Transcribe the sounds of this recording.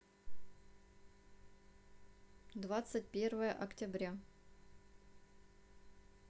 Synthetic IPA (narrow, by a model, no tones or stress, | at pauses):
d̪vat̪sɨt̚ʲpʲe̞rvəjəʔɐktʲɪbɾʲa